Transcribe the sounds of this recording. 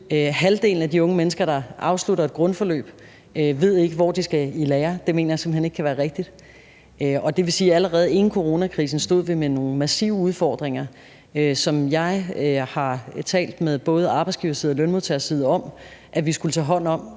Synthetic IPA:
øɦæld̥e̝̰ːln̩æd̥iɔ̽ŋəmenəsɡ̥ɐɾ̥ɑ̈ʔɑ̈ʊsluɾɐed̥̚ɡ̥ʁɔ̽nfɒ̽lø̰ːb̥ | øʋe̝ð̰ˠe̝ɡ̥əʋɒ̰d̥isɡ̥æilɛːɐd̥e̝me̝̰ːnɐjɑ̈se̝m̩hene̝ɡ̥kʰæʋæːɐʁeɡ̥̚d̥id̥ | ɒ̽d̥e̝ʋe̝siːæləʁɛːð̞̩ˠe̝nn̩kʰo̝ʁo̝nækʰʁḭːs̬n̩sd̥o̝ð̰ˠʋimeno̝ːŋ̩mæsḭʊuð̞ˠfɒ̰ːd̥ʁeŋ̰ɐ | øsɒ̽mjɑ̈ɪhɑ̈t͡sʰɛ̰ːld̥meðˠb̥ɔ̽ːð̞̩ˠɑ̈ːb̥ɪsɡ̥iʊɐsið̰ˠɒlønmuðˠt͡sʰɛɐsið̞ˠɒ̽m̰ʔæʋisɡ̥ulət͡sʰɛːɦɒ̽n̰n̩ɒ̽m̰

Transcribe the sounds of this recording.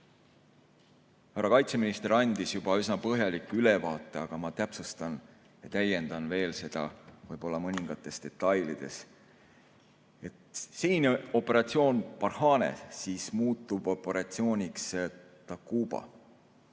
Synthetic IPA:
hæɾɑkɑjt̪se̞minist̪eɾɑnʲd̪̥isjub̥ɑysnɑpɤɦjɑlikːˑyle̞vɑːt̪ːˑe̞ɑɡ̥ɑmɑt̪æpsust̪ɑn | jɑt̪æjːe̞nd̪̥ɑnve̞ːlse̞d̪̥ɑ̰vɤjbo̞lːɑmɤnʲiŋɡ̥ɑt̪ːˑe̞st̪e̞t̪ˑːɑjlid̪̥e̞̰s | e̞t̪siːno̞pːˑe̞ɾɑt̪sio̞ːnpɑrhɑːnḛsiːsmuːt̪ˑːub̥o̞pːe̞ɾɑt̪sio̞ːnʲiks | t̪ɑkuːb̥ɑ̰

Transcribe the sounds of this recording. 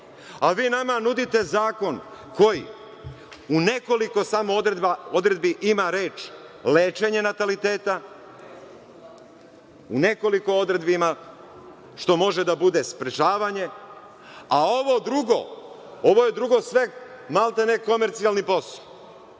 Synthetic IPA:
aʋiːnamanud̪it̪e̞zaːko̞n | ko̞jḭ | une̞ko̞liko̞samod̪ɾed̪bao̞d̪ɾed̪̚biʔimaɾe̞ːt͡ʃleːt͡ʃe̞ɲe̞nat̪alit̪e̞ːt̪a | une̞ko̞liko̞od̪ɾe̞d̪bima | ʃt̪o̞mo̞ʒe̞d̪abud̪e̞spɾet͡ʃaːʋaɲe̞ | ao̞ʋo̞d̪ɾuɡo̰ | oʋo̞je̞d̪ɾuɡo̞sʋe̞ | malˠt̪aneko̞meɾt̪sialˠnipo̞so̥

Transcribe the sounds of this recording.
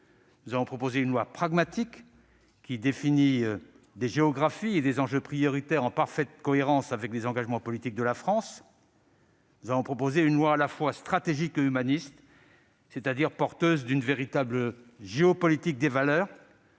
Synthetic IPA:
nnuzavɔ̃pχɔpozeynlwapχaɡmat̪ik | kʲːid̪efini | d̪eʒeɔɡʁafied̪ezɑ̃ʒøpχijɔʁit̪ɛʁɑ̃paʁfɛt̪kɔeʁɑ̃savɛklezɑ̃ɡaʒmɑ̃pɔlit̪ik̚d̪əlafχɑ̃s | nuzavɔ̃pχɔpozeynlwaːlafwast̪χat̪eʒikeymanist̪ | set̪ad̪iʁpɔʁt̪øzd̪ynveʁit̪abləʒeɔpɔlit̪ik̚d̪evalœːʁ

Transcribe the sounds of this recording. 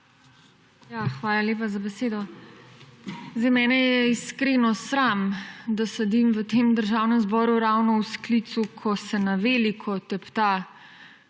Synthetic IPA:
jaːxʋaːlaljeːpazabɛseːd̪ɔ | zɛjmɛːnɛjɛiskɾenɔsɾamd̪asɛd̪imʋət̪eːmd̪əɾʒaːwnɛmzbɔɾuɾaːwnɔwsklit̪sukʰɔsɛnaʋeːlikʰɔt̪ɛpt̪a

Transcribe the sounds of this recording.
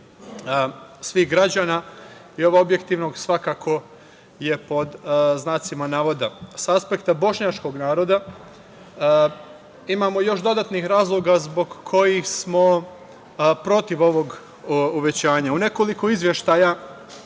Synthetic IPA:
sʋixɡɾad͡ʑaːna | io̞ʋaobje̞kt̪iʋno̞ɡsʋakakʰo̞ | je̞po̞d̪znaːt̪simanaːʋo̞d̪asaaspe̞kt̪abo̞ʃɲat͡ʃko̞ɡnaːɾo̞d̪a | imaːmo̞jo̞ʃd̪o̞d̪at̪nixɾaːzlˠo̞ɡazbo̞ɡkʰo̞jixsmo̞ | pɾo̞t̪iʋo̞ʋo̞ɡ | uʋet͡ɕaːɲaune̞ko̞likoizʋjeʃt̪aja

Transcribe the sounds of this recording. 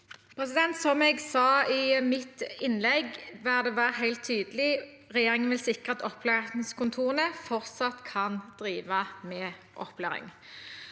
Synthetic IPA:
pʰʁɛsɪd̪ɛnt̪sɔmɛɡsɑːɪmɪt̪ɪnlɛɡʋæːʁd̪ɛʋæːʁəɦæɪlt̪ʰːyːd̪əlɪ | ʁɛjeːʁɪŋənʋɪlsɪkʁəɑt̪ɔpʰːlæːʁskʰʊnt̪ʰuːʁənəfɔʁt̪sɑt̪kʰɑnd̪̥ʁiːʋəmɛː | ʔɔ̰plæːʁɪ̰ŋ

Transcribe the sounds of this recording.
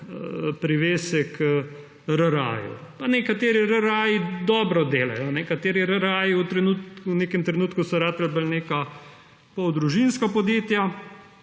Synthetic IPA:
pɾiʋeːsɛkʰə | ɾəɾa̰ːjṵpanɛkat̪eːɾiɾəɾaːjid̪ɔːbɾɔd̪eːla̰jɔnɛkat̪eːɾiɾəɾaːjiut̪ɾɛnut̪uneːkɛmt̪ɾɛnuːt̪kusɔɾaːt̪ɛlbəlneka | pɔwd̪ɾuʒinskapɔd̪jeːt̪ja

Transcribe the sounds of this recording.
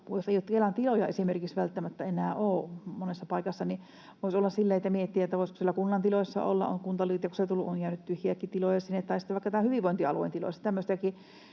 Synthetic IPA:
joseˑijot̪kelɑnt̪ilojɑesimerkiksʋælt̪ːæmæt̪ːæenæːʔoːmonesːɑpɑˑikɑsːɑni | ʋoˑisolːɑssilːæet̪ːæmiet̪ːiæet̪ːæʋoˑisko̥sielːækunːɑnt̪iloˑisːɑ̰o̰lːɑ̰ʔʔo̰ŋkunt̪ɑliːt̪jɑkuset̪ulːuʔonkæˑynyt̪t̪yhjiækːˑit̪ilojɑsinːet̪ːɑisi̥t̪ːæʋɑˑikːɑt̪æmːæhyʋiʋoˑint̪iɑluˑḛnilo̰ˑst̪æmːøst̪æki

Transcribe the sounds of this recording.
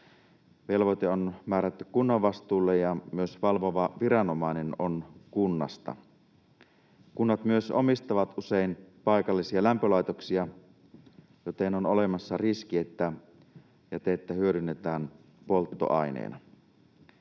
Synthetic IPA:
ʋelʋot̪eonmæːɾæt̪ːykkunːɑʋʋɑst̪uːlːejɑmyøsʋɑlʋoʋɑʋirɑnomɑinenonkunːɑ̰st̪ɑ̰ | kunːɑt̪myøsomist̪ɑʋɑt̪ʔuseinpɑjkɑlːisiɑlæmpølɑjt̪oksiɑ | jot̪enonolemɑsːɑriskiet̪ːæ | jɑt̪eet̪ːæhyøɾynːet̪æːn | polt̪ːo̰ʔɑinḛːnɑ

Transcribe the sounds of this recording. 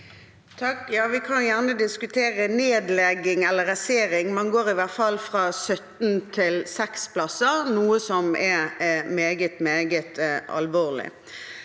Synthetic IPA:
t̪ʰɑkːjɑːʋɪkʰɑnjæʁnəd̪ɪskʉt̪ʰeːʁəneːd̪lɛɡɪŋɛlːəɾɑseːɾɪŋmɛnɡoːɾɪʋæʁt̪fɑlːfʁɑːsœt̪nt̪ʰɪlsɛkspʰlɑsəʁnuːəsɔmɛmeːɡət̪meːɡət̪ɑ̰lʋoːʁlɪ̰

